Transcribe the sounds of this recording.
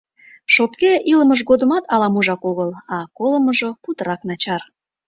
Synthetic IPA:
ʃopkeʔiləməʒ̬ɣod̪əmɑt̪ʰɑlɑmuʒɑkoɣəlɑkoləməʒoput̪əɾɑknɑt͡ɕɑr

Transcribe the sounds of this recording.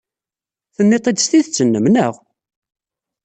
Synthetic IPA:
θənːet̪ˤed̪st̪iθt͡sːənːəmnəʁ

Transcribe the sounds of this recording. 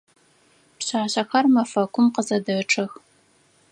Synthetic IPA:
pɕaːɕɐxɐrmɐfɐkʷʰʼʊmqəzɐdɐʈ͡ʂʰɐx

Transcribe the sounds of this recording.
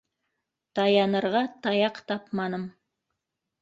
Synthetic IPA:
t̪ɑjɑnɤ̆ɾʁɑt̪ɑjɑqt̪ɑpmɑnɤm

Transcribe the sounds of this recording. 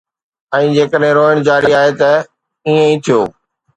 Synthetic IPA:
ɛ̃ːd͡ʑeːkəɗɦɪ̃ɾoːəɽ̃d͡ʑaːɾiaːɦet̪ɐ | iːẽĩːt̪ʰijoː

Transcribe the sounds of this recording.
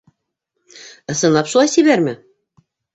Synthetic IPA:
ɤ̆sɤ̆nˠɑpʃulˠɑjsʲiβæɾmɘ̆

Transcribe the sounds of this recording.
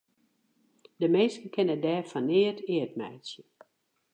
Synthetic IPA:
dəmeːstəkʰɛnədɛːfanɪətʰɪət̚mɛ̰jsjə

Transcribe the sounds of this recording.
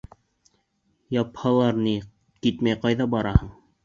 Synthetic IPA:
jɑphɑlˠɑɾni | kit̪mæjqɑjðɑbɑɾɑhɤɴ

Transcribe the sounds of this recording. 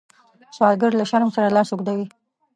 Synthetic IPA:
sɑlɡəɾlaʃaɾmsaɾalɑsuɡd̪awi

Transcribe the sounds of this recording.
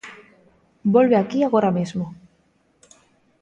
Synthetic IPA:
bo̞lβeakiaɣo̞ɾamezmo

